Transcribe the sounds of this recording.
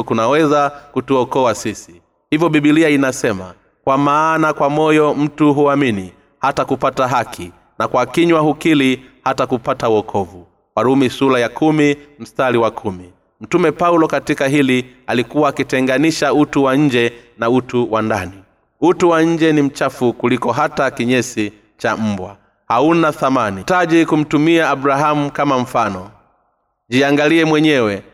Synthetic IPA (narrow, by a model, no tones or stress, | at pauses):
kunawɛzakutuɔkɔasisi | hivjɔɓiɓiliainasɛma̰ | kwamaːnakwamɔjɔm̩tuɦuamini | hatakupataɦakʰi | nakwakiɲwahukilihatakupatauɔkʰɔvu | kwaɾumisulajakʰumim̩staliwakʰumi | m̩tumɛpaulɔkatikaɦili | alikuwaːkitɛŋɡaniʃautuwaɲ̩d͡ʒɛnautuwandani | utuwaɲ̩d͡ʒɛnim̩t͡ʃafukulikɔɦatakiɲɛsi | t͡ʃam̩bwa̰ | haunaθamanitaʄikum̩tumiaːbɾaɦamukamam̩fanɔ | d͡ʒiaŋɡaliɛmwɛɲɛwɛ